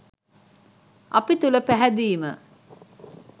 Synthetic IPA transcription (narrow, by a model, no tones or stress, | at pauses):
ʔɐpit̪uləpæɦæd̪iːmə